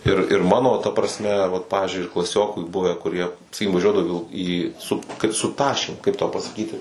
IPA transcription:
ɪr ɪr ˈmɑːnoː tɐ prɐsʲˈmʲɛ ʋɐt ˈpɑːʋʲɪzʲd͡ʒʲʊɪ ɪr klˠɐˈsʲoːkʊ ˈbʊʋʲɛ kʊˈrʲiɛ sɐˈkʲiːkʲɪm ʋɐˈʒʲuɔdɐʋʊ iː ʋʲɪlˠ iː sʊp kɐt sʊ ˈtɑːʃʲeːm kɐɪp tɐʊ pɐsɐˈkʲiːtʲɪ

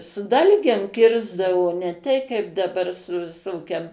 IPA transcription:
sʊ ˈdɐlʲɡʲeːm ˈkʲɪrzdɐʋoː nʲɛ ˈtʲɛɪ kɐɪp dɐˈbɐr sʊ ʋʲɪˈsoːkʲɛm

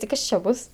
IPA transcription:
tʲɪ ˈkɐs t͡ʃʲɛ ˈbʊs

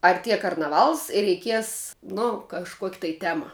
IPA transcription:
ɐrʲˈtʲiɛ kɐrnɐˈʋɐlˠs ɪr rʲɛɪˈkʲiɛs nʊ kɐʃˈkuɔkʲ tɐɪ ˈtʲæːmɐ

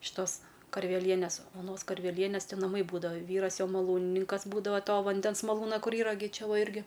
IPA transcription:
ʃʲɪˈtoːs kɐrʲʋʲɛˈlʲiɛnʲeːs oːˈnoːs kɐrʲʋʲɛˈlʲiɛnʲeːs tʲɪ nɐˈmɐɪ ˈbuːdɐʋoː ˈʋʲiːrɐs joː mɐˈlˠuːnʲɪnʲɪŋkɐs ˈbuːdɐʋoː ˈtoː ʋɐnʲˈdʲɛns ˈmɑːlˠuːnɐ ˈkʊr ˈiːrɐ ɡʲɪ ˈt͡ʃʲɛ ˈʋɐ ˈɪrʲɡʲɪ

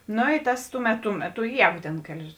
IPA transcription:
ˈnoː ɪ ˈtɐs ˈtʊˌmʲɛt tʊ ˈmʲæːˌtʊ ˈjɛːɡʊ tʲeːn ˈkʲæːlʲɪs

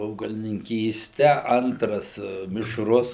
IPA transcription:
ɐʊɡɐlʲɪnʲɪŋʲˈkʲiːsʲtʲɛ ˈɐntrɐs mʲɪʃˈrʊs

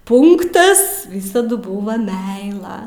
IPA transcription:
ˈpʊŋktɐs ˈʋʲiːsɐdʊ ˈbʊʋɐ ˈmʲɛɪlˠɐ

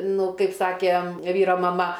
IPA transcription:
ˈnʊ ˈkɐɪp ˈsɑːkʲeː ˈʋʲiːroː mɐˈmɐ

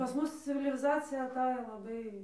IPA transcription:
pɐs ˈmʊs t͡sʲɪʋʲɪlʲɪˈzɑːt͡sʲɪjɛ ɐˈtɑːjoː lˠɐˈbɐɪ

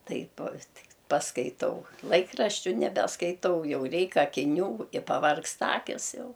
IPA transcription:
ˈtɐɪp ˈtʲɪk pɐskɐɪˈtɐʊ ˈlˠɐɪkrɐʃʲt͡ʃʲʊ nʲɛbʲɛskɐɪˈtɐʊ ˈjɛʊ ˈrʲɛɪk ɐkʲɪˈnʲuː ɪ pɐˈʋɐrkstɐ ˈɑːkʲɪs ˈjɛʊ

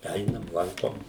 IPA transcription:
ˈɛɪnɐm ˈlˠɐŋkoːm

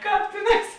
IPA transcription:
ˈkɑːp ˈtʲeːˌnɑːs

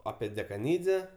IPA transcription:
ˈɑːpʲiɛ dʲɛkɐˈnʲiːd͡zʲɛ

